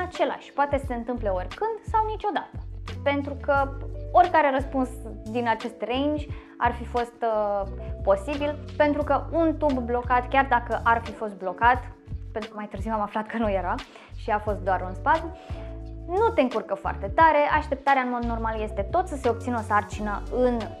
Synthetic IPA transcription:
at͡ʃe̞la̰ʃʲpoat̪e̞sə̥se̞ɨnt̪ɨmple̞o̞rʲkɨnd̪sawnit͡ʃo̞d̪at̪ə̥pe̞nt̪ɾukəorʲkaɾe̞ɾəspunsd̪inat͡ʃe̞st̪rejnd͡ʒʲ | a̰rfifo̞st̪ | po̞sibilpe̞nt̪ɾukəunt̪ubːlo̞kat̪kʲard̪akəʔarfifo̞st̪̚blo̞kat̪pent̪ɾukəmajt̪ɨrziwamaflat̪kənuje̞ɾa | ʃiafo̞st̪̚d̪oaɾunspat̪ʲju | nut̪e̞ɨŋkurkəfoa̰rt̪e̞t̪aɾe̞ʔaʃt̪e̞p̚t̪aɾeaɨnmo̞d̪no̞rmalje̞st̪e̞t̪o̞t̪səse̞o̞b̚t̪sinəo̞sart͡ʃinəɨn

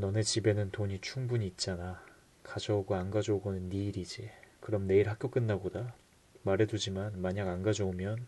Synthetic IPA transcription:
nʌne̞t͡ɕibe̞nɯntoɲit͡ɕʰuŋbuɲiːt̚t͡ɕ͈ana | kad͡ʑʌuɡoanɡad͡ʑʌuɡonɯnːiːɾid͡ʑikɯɾʌmne̞iɭhak͈jok͈ɯnːaɡoda | maɾe̞dud͡ʑimanmaɲaɡanɡad͡ʑʌumjʌn

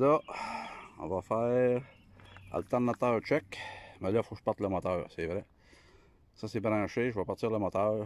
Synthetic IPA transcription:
lʌ | ɔ̰̃vɑfɛːʁ | a̰lt̪ɛnat̪œːʁt͡ʃɛkmɛlɔfoʃpaʁt̪ləmɔt̪ɑːʁseːvʁɛ | sɔsebɾɑ̃ːʃeʒvɔpaʁt̪t͡siːʁləmɔt̪ɑːʁ

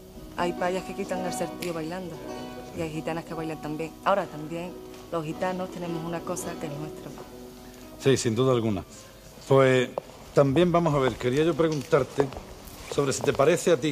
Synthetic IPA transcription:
a̰jpaʎahke̞kit̪aŋelse̞ɾt̪ioβajland̪oiajxit̪anahke̞βajlant̪ambje̞ŋao̞ɾat̪ambje̞ŋ | lo̞ɦhit̪ano̞st̪e̞nẽ̞mosunako̞sake̞ɦnwe̞st̪ɾo | sisind̪uðaːlɣuna̰ | pwe | t̪ambje̞mbamosaβ̞e̞ɾke̞ɾiaʝo̞pɾe̞ɣunt̪aɾt̪eso̞β̞ɾe̞sit̪e̞paɾe̞θeat̪i

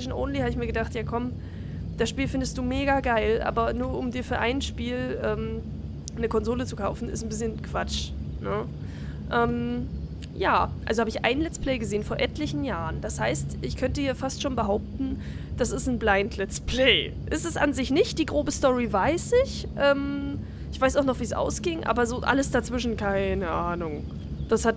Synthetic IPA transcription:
ʃn̩ʔo̰ʊnlihaːbəɪçmiɐɡədaχtjaːkʰɔm | d̥asʃpiːlfɪndəstd̥uːmeːɡaɡaɪlʔa̰ːbɐnuːɐʔʊmdiːɐfyːɐʔaɪnʃpiːlʔɛːm | nəkʰɔnzoːlət͡su̥kʰaʊfn̩ɪ̰stn̩bɪsçənkʰv̥at͡ʃnə | ʔɛːm | jaːʔalzohaːbəɪçʔa̰ɪnlɛt͡spl̥ɛɪɡəzeːnfoːɐʔɛtʰlɪçn̩jaːʁənd̥ashaɪstʔɪçkʰœntəhiːɐfastʃoːnbəɦaʊp̚tn̩ | d̥asɪstn̩blaɪntlɛt͡spʰlɛɪ | ʔɪstɛsʔa̰nzɪçnɪçt̚d̥iːɡʁoːbəstɔʁivaɪsɪç | ʔɛːm | ʔɪçv̥aɪsaʊxnɔχv̥iːsʔa̰ʊsɡ̥ɪŋʔa̰ːbɐzoːʔa̰ləsd̥at͡sv̥ɪʃn̩kʰaɪnəʔaːnʊŋ | d̥ashat

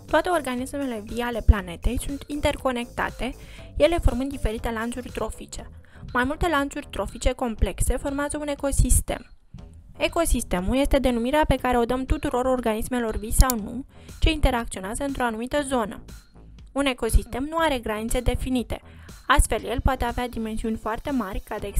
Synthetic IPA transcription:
t̪oat̪e̞o̞rɡanisme̞le̞viale̞plane̞t̪e̞jsunt̪int̪e̞rko̞ne̞kt̪a̰t̪e̞ | je̞le̞fo̞rmɨnd̪ife̞ɾit̪e̞lant̪surʲt̪ɾo̞fit͡ʃe̞ | majmult̪e̞lant̪surʲt̪ɾo̞fit͡ʃe̞ko̞mple̞kse̞fo̞rmeazəune̞ko̞sist̪e̞̰m | e̞ko̞sist̪e̞mulje̞st̪e̞d̪e̞numiɾeape̞kaɾe̞o̞d̪əmt̪ut̪uɾo̞ɾo̞rɡanisme̞lo̞rvisawnṵt͡ʃe̞int̪e̞ɾakt̪sio̞neazəɨnt̪ɾo̞anumit̪əzo̞nə̰ | une̞ko̞sist̪e̞mnuaɾe̞ɡɾanit̪se̞d̪e̞finit̪e̞̰ | ast̪fe̞lje̞lpoat̪e̞avead̪ime̞nsiunʲfoart̪e̞marʲkad̪e

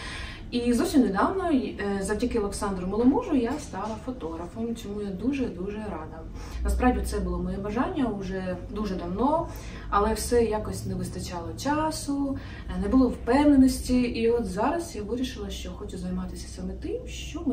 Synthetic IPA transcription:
izɔwsʲimned̪ɑwnɔzɐwtʲikɪlˠeksɑnd̪ɾʊmɔlˠɔmuʒʊjast̪ɑlˠɐfɔt̪ɔɦɾɐfɔmt͡sʲɔmujad̪uʒɛd̪uʒɛɾɑd̪ɐ | nɐspɾɑʋdʲit̪sɛbʊlˠɔmɔjɛbɐʒɑnʲːɐʊʒɛd̪uʒɛd̪ɐwnɔ | ɐlˠɛwsɛjɑkɔsʲtʲnɛʋɪst̪ɐt͡ʃɑlˠɔt͡ʃɑsʊ | nɛbʊlˠɔwpɛwnenɔsʲtʲiːɔt̪zɑɾɐsjaʋɪɾʲiʃɪlˠɐʃt͡ʃɔxɔt͡ʃʊzɐjmɑt̪ɪsʲɐ̥sɐmɛt̪ɪmʃt͡ʃɔm

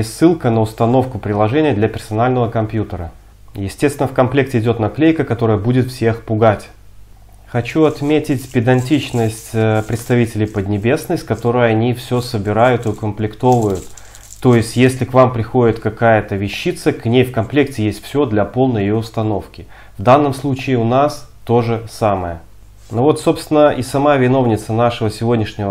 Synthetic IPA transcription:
jesʲtʲsːɨlˠkənəʊst̪ɐno̞fkʊpɾʲɪlˠɐʐɛnʲɪjəd̪lʲɐpʲɪrsɐnalʲnəvəkɐmpjut̪əɾə | jɪsʲtʲest̪vʲɪnəfkɐmplʲe̞k̚tʲɪɪdʲo̞t̪nɐklʲejkəkɐt̪o̞ɾəjəbudʲɪt̪fsʲe̞xpʊɡatʲ | xɐt͡ɕuɐt̪mʲetʲɪtʲpʲɪd̪ɐnʲtʲit͡ɕnəsʲtʲpɾʲɪt̪st̪ɐvʲitʲɪlʲɪjpəd̪ʲnʲɪbʲe̞snəsʲtʲkɐt̪o̞ɾɨjəɐnʲifsʲosəbʲɪɾajʊt̪ɨʊkəmplʲɪkt̪o̞vʊjʊt̪ː | o̞jɪsʲtʲjesʲlʲɪkvampɾʲɪxo̞dʲɪt̪kɐkajət̪əvʲɪɕːit̪səknʲejfkɐnplʲek̚tʲɪjesʲtʲfsʲo̞d̪lʲɐpo̞lˠnəjɪjoʊst̪ɐno̞fkʲɪ | vd̪anːəmslˠut͡ɕɪːʊnast̪o̞ʐɨsaməjə | novo̞t̪so̞pst̪vʲɪnəʔisɐmavʲɪno̞vnʲɪt̪sənaʂɨvəsʲɪvo̞dʲnʲɪʂnʲɪvə

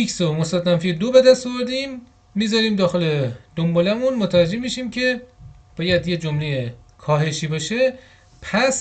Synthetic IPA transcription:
icsomost̪æt̪næmfid̪obe̞d̪æst̪ɒvoɾd̪imː | iːzɒːɾiːmd̪ɒːxe̞le̞d̪̥ombɒːlæmunmot̪ʰævæd͡ʒːe̞hmiʃiːmcʰe̞b̥ɒːjæd̪jed͡ʒomlejekʰɒːɦe̞ʃiːbɒːʃe | pʰæs

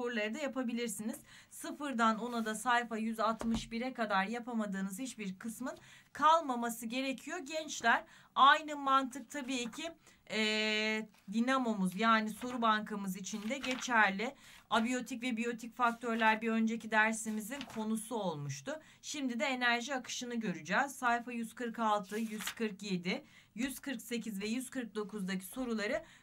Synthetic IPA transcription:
oɾlˠaɾɯd̪ajapabilʲiɾsiniz̥ | sɯfɯɾd̪ano̞nad̪asajfajyzat̪mɯʃbiɾɛkad̪aɾjapʰamad̪ɯːnɯz̥hit͡ʃbiɾkʰɯsmɯnkʰalˠmamasɯɟe̞ɾe̞cʰijo̞ɟɛnt͡ʃlʲæɾ | ajnɯmant̪ʰɯk̚t̪ʰabiːcʰi | ɛː | d̪inamo̞muzjaːniso̞ɾubaŋkʰamɯzit͡ʃʰind̪ɛɟe̞t͡ʃʰæɾlʲɪabijo̞t̪ʰicvɛbijo̞t̪ʰicfak̚t̪ʰøɾlʲæɾbiø̞nd͡ʒe̞cid̪æɾsimizinkʰo̞nusuo̞lˠmuʃt̪ʊ | ʃimd̪id̪ɛenæɾʒiakʰɯ̥ʃɯnɯɟø̞ɾyd͡ʒɛːz̥sːajfajyz̥kʰɯɾkalˠt̪ʰɯjyz̥kʰɯɾkje̞d̪ɪ | jyz̥kʰɯɾkse̞cʰizvɛjyz̥kɯɾk̚d̪o̞kʰuzd̪acʰi̥so̞ɾulˠaɾɯ

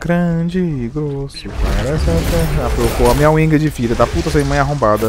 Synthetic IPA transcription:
ɡ̥ɾɐ̃d͡ʒɪɡɾosʊpaɾɛsɛtɛafɾokoɐmĩɲɐwĩɡɐd͡ʒɪfiɾɐd̪ɐput̪ɐseɾimɐ̃j̃aɦõmbad̪ɐ

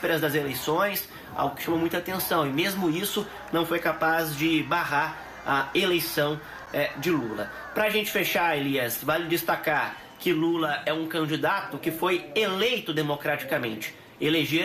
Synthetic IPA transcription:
peɾɐzd̪ɐzelejsõj̃s | a̰wʊkɪ̥ʃɐ̃momũj̃t̪at̪ẽsɐ̃w̃ɪmezmʊisʊ | nɐ̃w̃fojkapazd͡ʒɪbaɦaɾ | ɐelejsɐ̃w̃ | ɛd͡ʒɪlulɐ | pɾɐːʒẽnt͡ʃɪ̥feʃaɾeliɐsvalɪd͡ʒɪst̪akaɾ | kɪlulɐʔɛũkɐ̃nd͡ʒid̪at̪ʊkɪfojelejt̪ʊd̪emokɾat͡ʃi̥kɐmḛ̃nt͡ʃɪ̥ | eleʒe

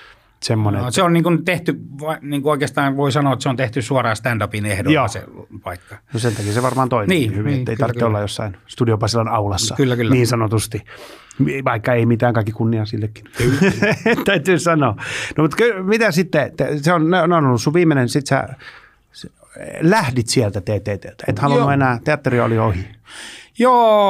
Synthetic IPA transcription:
semːoneseonniːŋkunt̪eht̪yʋɑniːŋkuoikeːst̪ɑːnʋoisɑnoːet̪seont̪eht̪ysuɑrɑːst̪ændɑpinehdojoːsḛpɑikːɑ̥nosent̪ɑkiseʋɑrmɑːnt̪oimniːihyʋiŋet̪ːeit̪ɑrtt̪ːeolːɑjjosːɑinst̪udiopɑsilːɑnɑulɑsːɑkylːækːniːnsɑnot̪ust̪imʋɑikːɑeimit̪æːŋkɑikːikunːiɑsilːekːi̥n | tt̪æyt̪yːsɑnoːnomut̪kylmit̪æsit̪ːet̪eseonneneonolːusːuʋʋiːmːenensit̪sæ̰ | læhdit̪siɛlt̪æt̪eːt̪eːt̪eːlt̪æḛt̪hɑlunːuenæːt̪eɑt̪ːeriɑo̰liohi | joː

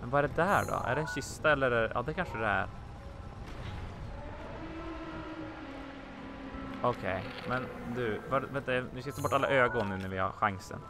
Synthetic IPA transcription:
mɛnbɑːɾəd̪ɛæɖɑ̰æ̰ɖɛɛnçʏst̪ɑɛlːəɾjɑ̰ːd̪ɛkʰɑnʂəd̪ɛæ̰ɾ | ɔkʰeɪmɛn | d̪ʉʋɑɖʋɛt̪ːɛʋɪskɑst̪oːbɔʈːɑlːə̰ʔøːɑɡoːənəʉnːəɾʋɪɑ̰ɧɑŋsə̰n

